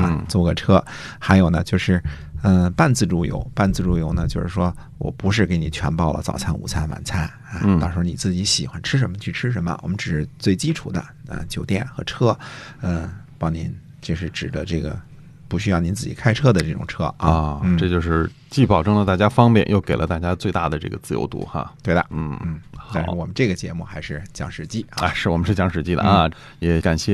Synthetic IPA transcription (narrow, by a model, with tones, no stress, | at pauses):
a˧˩t͡swɔ˥˧˩ɡə˩ʈ͡ʂʰɤ˥xa˧˥ɪjo˨˩ʊnə˦t͡ɕjo˥˧ʊʂɻ̩˥˩ | ə˧pa˥˧nt͡sɹ̩˥˧ʈ͡ʂu˥˩jo̰˧˥ʊpa˥˧nt͡sɹ̩˥˧ʈ͡ʂu˥˩jo˧˥ʊnə˨t͡ɕjo˥˧ʊʂɻ̩˥˩ʂwɔ˥ | wɔ̰˨˩pu˧˥ʂ̬ɻ̩˥˩ke˧˥ɪni˨˩t͡ɕʰɥɛ̰˧˥npɑ˥˩ʊlə̰˨t͡sɑ̰˨˩ʊt͡sʰa˥nṵ˨˩t͡sʰa˥˩nwa̰˨˧˩nt͡sʰa˥˩n | a˧˥˧t̪ɑ˥˧ʂɻ̩˧˥˧ni˨˩t͡sɹ̩˥˩t͡ɕi˧˥ɕi˨˩xwa˧˥nʈ͡ʂʰɻ̩˥ʂ̬ə˧˥nmə˧t͡ɕʰy˥˩ʈ͡ʂʰɻ̩˥ʂ̬ə˧˥mə̰˧wʔɔ̰˨˩mə˦nʈ͡ʂɻ̩˨˩ʂɻ̩˥˧t͡swe˥˩ɪt͡ɕi˥ʈ͡ʂʰṵ˨˩d̪ə̰˧˦ə̰˧˩t͡ɕjo˨˩ʊt̪jɛ˥˩nxɤ˧˥ʈ͡ʂʰɤ˥ə˥˧˩ | pɑ˥ŋni˧˥n | t͡ɕo˥˧ʂɻ̩˥˩ʈ͡ʂɻ̩˨˩d̪ə˦ʈ͡ʂɤ˥˩ɡə̰˩ | pu˧˥ɕy˥jɑ˥˩ni˧˥nt͡sɹ̩˥˩t͡ɕḭ˨˩kʰa˥ɪʈ͡ʂʰɤ˥d̪ə˨ʈ͡ʂɤ˥˩ʈ͡ʂʊ̰˨˩ŋʈ͡ʂʰɤ˥a̰ɔ˧˥˧n̩˥˩ʈ͡ʂɤ˥˧t͡ɕjo˥˧ʊʂɻ̩˥˧ | t͡ɕi˥˩pɑ˨˩ʊʈ͡ʂɤ˥ŋlə˨˧t̪a˥˩t͡ɕja˥fɑ˥ŋpjɛ̰˨˩˦njo˥˩ʊke˨˩ɪlə̰˦t̪a˥˩t͡ɕja˥t͡swe˥˧ɪt̪a˥˩d̪ə˩ʈ͡ʂɤ̰˥˩ɡə̰˩t͡sɹ̩˥˩jo̰˧˥ʊt̪ṵ˧˥xa̰˧t̪we˥˩ɪd̪ə̰˩n̩˥˩n̩˥˩xa˥˧n˧ɻwɔ˨˩mə˦nʈ͡ʂɤ˥˩ɡə˩t͡ɕjɛ˧˥mu˥˩xa˧˥ɪʂɻ̩˥˩t͡ɕjɑ˧˥ŋʂɻ̩˨˧˩t͡ɕi˥˩˥a˥˧ʂɻ̩˥˩wɔ˨˩mə˦ʂɻ̩˥˩t͡ɕjɑ˧˥ŋʂɻ̩˨˩t͡ɕi˥˩d̪ə̰˧a˧ | jɛ˧˥ka˨˩nɕjɛ˥˧